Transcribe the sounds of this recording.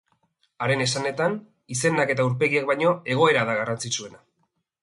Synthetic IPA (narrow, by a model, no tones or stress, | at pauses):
aɾe̞ne̞sane̞t̪an | ise̞nake̞t̪auɾpe̞ɣiek̚bajɲo̞e̞ɣ̞o̞e̞ɾaðaɣarant͡sit͡sue̞na